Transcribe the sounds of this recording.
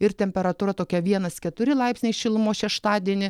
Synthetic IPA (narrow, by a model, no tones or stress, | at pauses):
ɪɾt̪ʲɛmʲpʲɛɾɐt̪uːɾɐt̪oːkʲɛʋʲiɛnɐskʲɛt̪ʊɾʲɪlˠɐɪpʲsʲnʲɛɪʃʲɪlˠmoːʃʲɛʃt̪ɑːd̪ʲiɛnʲɪ